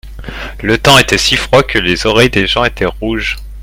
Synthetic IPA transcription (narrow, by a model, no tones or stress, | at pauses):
lət̪ɑ̃et̪ɛsifχwakəlezɔʁɛjd̪eʒɑ̃et̪ɛʁuʒ